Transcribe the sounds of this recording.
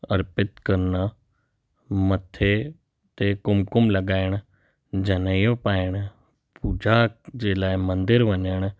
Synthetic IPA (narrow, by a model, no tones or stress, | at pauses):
ɐɾpɪt̪kɐɾna | mɐt̪ʰːe | t̪ekʊmkʊmlɐɡaːɪɽ̃ | d͡ʒɐnəjõpaːɪɽ̃ | puːd͡ʒad͡ʒeːlaːimɐ̃nd̪ɪɾʋəɲəɽ̃